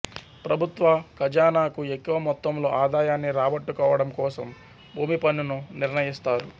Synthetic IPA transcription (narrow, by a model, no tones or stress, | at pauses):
pɾɐbʱut̪ʋɐkɐd͡ʒaːnaːkuekːuʋɐmɔt̪ːɐmlo̞̰ːʔaːd̪aːjaːnːiɾaːbɐʈːukɔːʋɐɽɐmkɔːsɐm | bʱuːmipɐnːinuniɾɳɐjist̪aːɾu